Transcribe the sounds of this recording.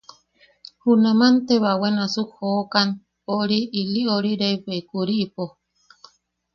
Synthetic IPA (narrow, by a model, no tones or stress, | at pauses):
hunamant̪eβawenasuhoːkan | oɾiːlioɾiɾeiβekuɾiːpo